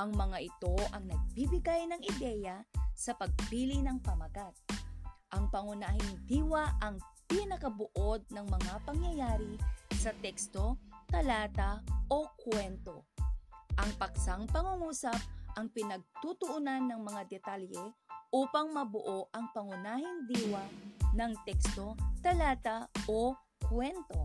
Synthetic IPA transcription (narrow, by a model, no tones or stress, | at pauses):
ʔɐŋmɐŋaʔɪt̪o̞ʔɐŋnɐɡ̚bibɪɡajnɐŋɪd̪ɛjɐsɐpɐɡ̚piːlɪnɐŋpɐmɐɡat̪̚ʔɐŋpɐŋʊnaːhɪnɪd̪iːwɐʔɐŋpɪnɐkɐbʊʔo̞d̪̚nɐŋmɐŋapɐŋjɐjaːɾisɐt̪ɛkst̪o̞k̪ɐlaːt̪ɐʔokwɛnt̪o̞̰ | ʔɐŋpɐksaŋpɐŋuŋuːsɐp̚ʔɐŋpɪnɐɡ̚t̪ut̪ʊʔʊnanːɐŋmɐŋad̪ɛt̪aljɛʔuːpɐŋmɐbʊʔo̞ʔɐŋpɐŋʊnaːɦɪŋd̪iːwɐnɐŋt̪ɛkst̪o̞t̪ɐlaːt̪ɐʔo | kwɛnt̪o̞